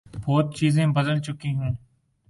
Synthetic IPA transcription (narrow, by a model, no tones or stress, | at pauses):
bɔːt̪̚t͡ʃiːzẽːbəd̪əlt͡ʃʊkiɦũː